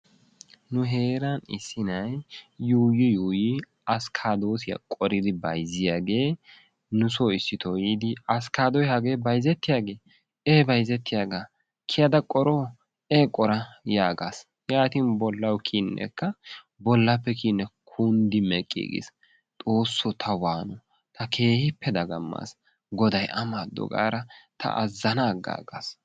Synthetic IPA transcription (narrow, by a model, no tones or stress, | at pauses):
nʊɦe̞ːɾɐnɪsːɪnɐjjuːjɪjuːji | ɐskʰaːd̪o̞ːsɪjɐ̰kʼɔɾɪd̪ɪbɐjzɪjaːɡe̞ː | nʊsoɪsːɪt̪ʰɔjiːd̪ɪɐskaːd̪ɔjhɐɡeːbɐjzɛt̪ːɪjaːɡe̞ː | eːbɐjzɛt̪ːɪjaːɡa | kʰɪjɐd̪ɐkʼɔɾoː | ekʼɔɾɐjaːɡas | jaːt̪inbɔlːɐwkʰiːnːɛ̰kːɐ | bɔlːɐpːɛkiːnːɛkʰund̪ɪmɛkʼːḛːɡḛs | t̪ʼo̞ːsːɔt̪ʰɐwaːnɔ | t̪ʰɐkʰe̞ːhɪpːɛd̪ɐɡɐmːa̰s | ɡɔd̪ɐjʔɐmad̪ːɔ̰ɡa̰ːɾɐt̪ʰɐ̰ʔɐzːɐnaːɡa̰ːɡaːs